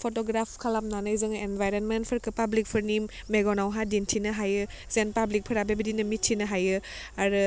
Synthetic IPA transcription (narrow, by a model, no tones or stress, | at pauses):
pʰotɔɡɾapʰkʰalamnanɯjzɯŋenbʱajɾenmentpʰɯɾkɯpablik̚pʰɯɾnimːeɡɔnawɦadintʰinɐɦajɯ | zenpablik̚pʰɯɾabebɐdinɯmitʰːinɐɦajɯ | aɾɯ